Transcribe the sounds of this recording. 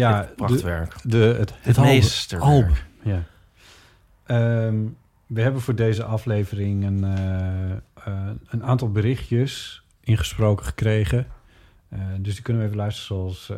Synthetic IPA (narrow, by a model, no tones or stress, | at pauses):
jaʋɛɹkdəətestəɔlpja | əm | ʋəɦɛbənvʊːɹdejzəʔɑflejvərɪŋən | ənaːntɑlˠbəɾɪχtjəs | ʔɪnχə̥sprowkəχə̥krejχə | døsdikønəʋəejvəlœɥstrəzoɑlˠs